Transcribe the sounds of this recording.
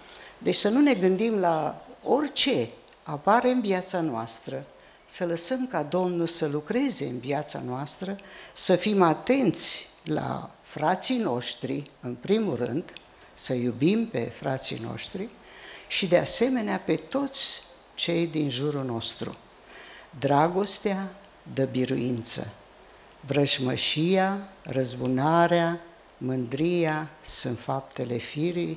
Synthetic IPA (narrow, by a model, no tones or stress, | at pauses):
d̪e̞t͡ʃʲsənune̞ɡɨnd̪imlao̞rʲt͡ʃe̞ | apaɾe̞ɨnviat̪sanoast̪ɾə | sələsəmkad̪o̞mnulsəlukɾe̞ze̞ɨnviat̪sa̰noast̪ɾəsəfimat̪e̞nt̪sʲla̰ | fɾat̪sijno̞ʃt̪ɾiɨnpɾimurɨ̰nd̪ | səjubimpe̞̰fɾa̰t̪sḭno̞̰ʃt̪ɾi | ʃid̪ease̞me̞neape̞t̪o̞t̪sʲ | t͡ʃe̞jd̪inʒuɾuno̞st̪ɾṵ | d̪ɾaɡo̞st̪ea | d̪əbiɾṵint̪sə̰ | vɾəʃməʃijarəzbunaɾea | mɨnd̪ɾijasɨnt̪fap̚t̪e̞le̞fiɾi